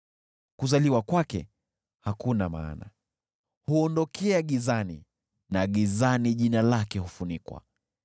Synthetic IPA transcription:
kuzaliwakwakɛ̰ | hakunama̰ːna̰ | huɔndɔkʰɛaɠizanḭ | naɠizaniʄinalakɛhufunikwa̰

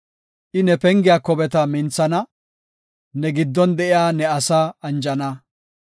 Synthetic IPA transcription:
ʔɪnɛpɛŋɡɪjaːkɔbɛt̪ɐmɪnt͡sːɐnɐ | nɛɡɪd̪ːɔnd̪ɛʔɪjaːnɛɐsaːɐnd͡ʒɐnɐ

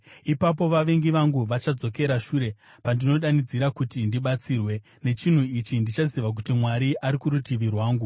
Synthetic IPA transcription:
ipapo̞ʋaʋe̞ŋɡiʋaŋɡuʋat͡ʃad͡zo̞ke̞ɾaʃuːɾe̞ | pandino̞ɗanid͡ziɾakutindiɓat͡siːrwe̞ | ne̞t͡ʃin̤uit͡ʃindit͡ʃaziʋak̬utimwaɾiʔaɾikuɾutiʋirwaːŋɡu

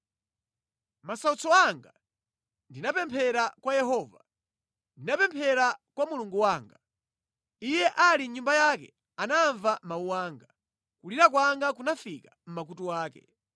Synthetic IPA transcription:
masaut͡sɔaŋɡa | ndinapɛmpʰɛɾakwajɛɦɔːva | ndinapɛmpʰɛɾakwamuluŋɡuwaːŋɡa | ijɛʔaliɲumbajakɛ̰ | anaɱvamauwaːŋɡa | kuliɾak̬waŋɡak̬unafikam̩mak̬utuwaːkɛ̰

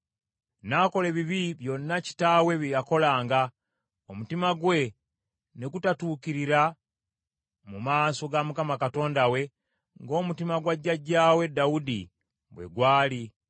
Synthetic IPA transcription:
nako̞le̞βiβiβjo̞nːaci̥taːwe̞βijako̞laːŋɡa | omutimaɡwe̞ | ne̞kutatuːkiɾiɾa | mumaːso̞ɡamukamakato̞ːndawe̞ | ŋɡo̞ːmutimaɡwaɟːaɟaːwe̞daudi | βwḛɡwaːli

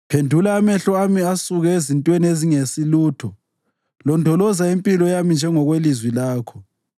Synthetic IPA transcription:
pʰendʱulaːmɛɬɔamiasuɣɛezintʼwenieziŋesiluːtʰɔ | lɔndʱɔlɔzaimpʼilɔjamind͡ʒʱɛŋɔɣwelizwilaːkʰɔ

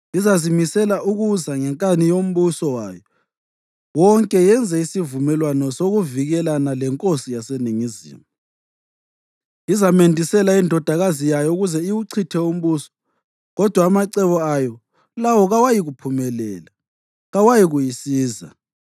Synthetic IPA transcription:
izazimisɛlaʔuɣuzaŋɛŋkʼanijom̩βusɔwa̰jɔ | wɔŋkʼɛjɛnd͡zʱɛisivumɛlwanɔsoɣuviɣɛlanalɛŋkʼosijaseniŋizḭːma | izamendʱisɛlaindʱɔd̥ʱaɣazijajɔuɣuzɛiwuǀʰitʰɛum̩βuːsɔ̥ | ɣɔd̥ʱwaːmaǀɛβɔajɔ | lawɔɣawajiɣupʰumɛlɛːla | ɣawajiɣujisiːza̰

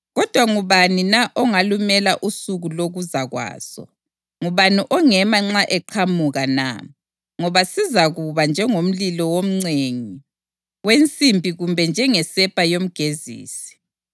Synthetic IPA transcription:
ɣɔd̥ʱwaŋuβaninaʔɔŋalumɛlaʔusuɣuloɣuzaɣwa̰ːz̥ɔ̰ | ŋuβaniʔɔŋɛmaŋ͡ǁaʔɛǃʰamuɣana̰ | ŋɔβasizaɣuβand͡ʒʱɛŋom̩lilɔwom̩ŋ͡ǀeŋi | went͡sʼimbʱiɣumbʱɛnd͡ʒʱɛŋɛsɛpʼajom̩ɡ̥ʱezḭːsi̥

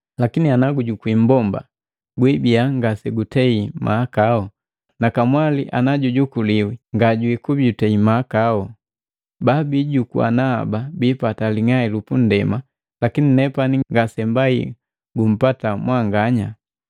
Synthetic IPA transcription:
lakinianaɡuɟukwimbɔmba̰ | ɡwibiaŋɡasɛɡutɛimʔa̰kaɔ | nakamwaliʔa̰naɟuɟukuliwiŋɡaɟuikubutɛimakaɔ | babiɟukua̰na̰ːbabiːpataliŋailupun̩dɛma | lakininɛpaniŋɡasɛmbaḭ | ɡum̩patamwaŋɡaɲa

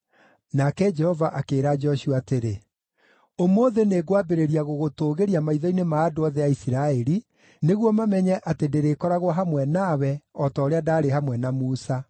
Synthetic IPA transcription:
nakɛd͡ʒɛhɔvaʔakeːɾad͡ʒɔɕuateɾe | omoːðeneɡwabeɾeɾiaɣoɣotoːɣeɾiamaiðɔinemaːdoɔðɛaisiɾaɛɾi | neɣwɔmamɛɲɛʔatedeɾekɔɾaɣwaɦamwɛnawɛɔtɔoɾeadaːɾeɦamwɛnamuːsa

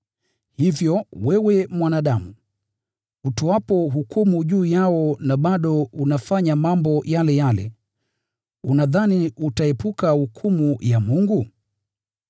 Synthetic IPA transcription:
hivjɔwɛwɛmwanaɗamu | utɔwapɔɦukumuʄuːjaɔnaɓaɗɔunafaɲamambɔjalɛjalɛ̰ | unaðaniutaɛpukahukʰumujamuŋɡu

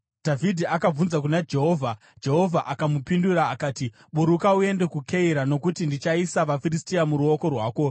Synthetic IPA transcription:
d̥ʱavʱidʱiakab͡vunzakunad͡ʒe̞ɦo̞ːvʱa | d͡ʒe̞ɦo̞vʱaʔakamupinduɾaːkaːti | ɓuɾukaue̞nde̞kukʰe̞iɾano̞kutindit͡ʃaisaʋafiristiamuɾuo̞ko̞rwaːko̞

